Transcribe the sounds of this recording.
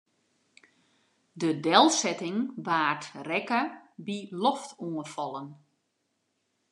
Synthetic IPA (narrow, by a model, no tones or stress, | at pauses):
dədɛlˠsɛtɪŋʋaːrtrɛkəbilɔftʰuənfɔlˠən